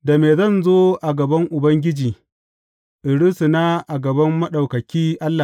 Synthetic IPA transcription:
da˨meː˨zɐ˦˨nzoː˦ʔa˨ɡɐ˨bɐ˦ŋʔʊ˨bɐ˦ŋɡʲɪ˦d͡ʒiː˨ | ʔɪ˨ɽʊ˦si˨na˦ʔa˨ɡɐ˨bɐ˦mːɐ˦ɗa˨wkɐ˨kʲiː˦ʔa˦lːa˨

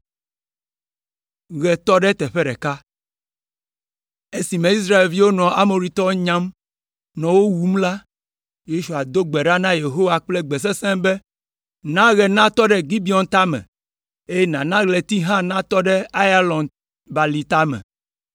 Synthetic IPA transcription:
ɣɛ˨t̪ɔ˦ɖɛ˦t̪ɛ˨ɸɛ˦ɖɛ˨ka˦ | e˦si˨mɛ̃˨i˦s̬ɾa˦e˨lvi˦wo˦nɔ̃˨a˦mo˨ɾi˦t̪ɔ˦wɲã˦m | nɔ̃˨wo˦wu˨m˦la˦ | je˦ʃu˨a˨d̪o˦ɡ͡bɛ˨ɖa˦nã˦je˨ɦo˦wa˨k͡plɛ˦ɡ͡bɛ˨s̬ɛ˦sɛ̃˦mbɛ˦ | nã˦ɣɛ˨nã˦t̪ɔ˦ɖɛ˦ɡi˦bi˨˦ɔ˨nt̪a˦mɛ̰̃˨ | e˦jɛ˦nã˨nã˦ɣlɛ˨t̪i˦ɦã˦nã˦t̪ɔ˦ɖɛ˦a˦ja˦lɔ̃˨n | ba˨li˨t̪a˦mɛ̰̃˨

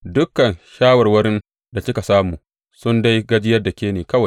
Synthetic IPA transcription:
dʊ˦kːɐ˨nʃaː˦wɐ˨rwɐ˦ɾɪ˦n | da˨sɪ˦ka˨saː˦muː˨ | sʊ˦nda˦jɡɐ˦d͡ʒɪ˦jɐ˦rda˨kʲeː˦neː˨kɐ˦wa˨j

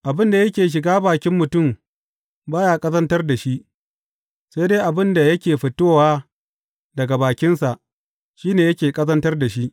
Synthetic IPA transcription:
ʔa˨bɪ˦nda˨jɐ˦kʲeː˨ʃ̬ɪ˨ɡaː˦baː˨kʲɪ˦mːʊ˨tʊ˦˨m | baː˦jaː˦kʼɐ˦zɐ˦ntɐ˦rda˨ʃi˦ʔ | se˦deː˦ʔa˨bɪ˦nda˨jɐ˦kʲeː˨ɸɪ˨toː˦waː˦ | dɐ˨ɡa˨baː˨kʲɪ˦nsa˨ʔ | ʃiː˦neː˨jɐ˦kʲeː˨kʼɐ˦zɐ˦ntɐ˦rda˨ʃi˦ʔ

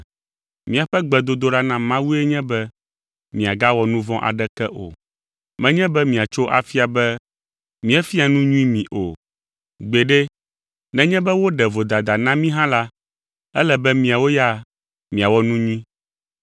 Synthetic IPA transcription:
mĩ˨a˨ɸɛ˦ɡ͡bɛ˨d̪o˦d̪o˦ɖa˦nã˦mã˦wu˦ɛ˦ɲɛ̃˦bɛ˦ | mĩ˨a˨ɡa˦wɔ˨nũ˦vɔ̃˦ʔa̰˨ɖɛ˦kɛ˦ʔo̰˨ | mɛ̃˦ɲɛ̃˦bɛ˦mĩ˨a˨t͡ʃo˦ʔa̰˨fi˦a˨bɛ˦ | mĩ˦ɛ˦fi˦a˨nũ˦ɲũ˦i˦mĩ˨ʔo˨ | ɡ͡be˨ɖɛ˦ | nɛ̃˨ɲɛ̃˦bɛ˦wo˦ɖɛ˨vo˨d̪a˨d̪a˨nã˦mĩ˦ɦã˦la˦ | ɛ˦lɛ˨bɛ˦mĩ˨a˨wo˦ja˦ | mĩ˨a˨wɔ˦nũ˦ɲũ˦ĩ˦

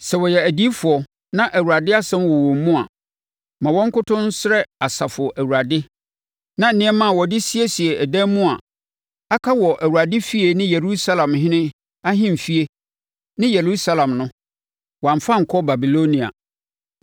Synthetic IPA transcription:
sɛ˨wɔ˨jɛ˨æ˨di˦fʊ˨ɔ˨ | nã˦ʔæ˨wu˨ɾa˨dɪ˦a˦sɛ̃˦mwɔ˨wɔ̃˨m˦mũ˦a˨ | mã˨wɔ̃˦ŋ̩˦kʊ˦tʰʊ̃˦n˦sɪ˦ɾɛ˦a˨sa˨fʊ˨ɔ˨ʔæ˨wu˨ɾa˨dɪ˦ | nã˦n̩˨nɪ̃˦ɛ˦mã˦˨wɔ˨dɪ˦si˦e˦si˨e˨ɛ˨dɛ˦mũ˦a˨ | a˦kʰa˦wɔ˨ʔæ˨wu˨ɾa˨dɪ˦fi˦e˨nɪ̃˦je˨ɾu˦sa˦lã˨mhɪ̃˦nɪ̃˦ | a˦ɦɪ̃˦m˨fi˦e˦ | nɪ̃˦je˨ɾu˦sa˦lã˨mnʊ̃˦ | wã˨ɱ˨fa˦ŋ̩˨kʰɔ˦ba˨bi˨lo˦nĩ˨a̰˨

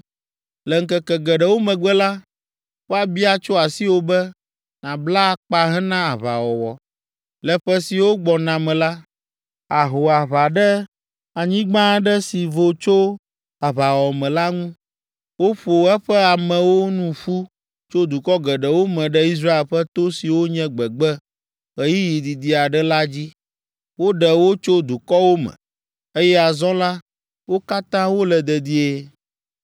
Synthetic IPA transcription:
lɛ˨ŋ̩˦kɛ˨kɛ˨ɡɛ˨ɖɛ˨wo˦mɛ̃˨ɡ͡bɛ˦la˦ | wo˦a˦˨bi˦a˦t͡ʃo˦a˨si˦wo˦bɛ˦ | nã˨bla˦˨k͡pa˦ɦɛ˦nã˦a˨βa̰˨wɔ˨wɔ˨ | lɛ˨ɸɛ˦si˨wo˦ɡ͡bɔ˨nã˨mɛ̃˨la˦ | a˨ɦo˨a˨βa˨ɖɛ˦ | a˨ɲĩ˦ɡ͡bã˦ɖɛ˦si˨vo˨t͡ʃo˦ | a˨βa˨wɔ˨mɛ̃˨la˦ŋũ˦ | wo˦ɸo˨ɛ˦ɸɛ˦a˨mɛ̃˨wo˦nũ˦ɸu˦ | t͡ʃo˦d̪u˨kɔ˦ɡɛ˨ɖɛ˨wo˦mɛ̃˨ɖɛ˦i˦s̬ɾa˦e˨lɸɛ˦t̪o˦si˨wo˦ɲɛ̃˦ɡ͡bɛ˨ɡ͡bɛ˦ | ɣɛ˦ji˦ji˨d̪i˨d̪i˨a˨ɖɛ˦la˦d͡ʑi˦ | wo˦ɖɛ˨wo˦t͡ʃo˦d̪u˨kɔ˦wo˦mɛ̰̃˨ | e˦jɛ˦a˨zɔ̃˦la˦ | wo˦ka˦t̪ã˦wo˦lɛ˨d̪ɛ˨d̪i˦e˦

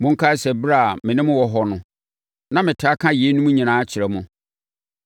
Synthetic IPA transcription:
mʊ̃˦ŋ̩˦kʰa˦sɛ˨bɾa˦˨mɪ̃˨nɪ̃˦mʊ̃˦wɔ˨ɦɔ˦nʊ̃˨ | nã˦mɪ̃˨tʰɪ˨˦a˦kʰã˦je˨˦nũ˦mũ˦ɲĩ˨nãː˨˦a˦t͡ɕʰɪ˨ɾɛ˨mʊ̃˦

